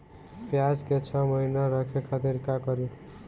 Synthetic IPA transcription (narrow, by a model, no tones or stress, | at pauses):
pjad͡zket͡ʃʰʌməɦinaɾʌkʰekʰat̪iɾkakʌɾi